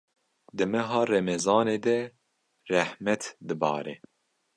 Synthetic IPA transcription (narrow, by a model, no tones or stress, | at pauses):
d̪ɨmɛɦɑːrɛmɛzɑːneːd̪ɛ | rɛhmɛt̪d̪ɨbɑ̰ːɾɛ̰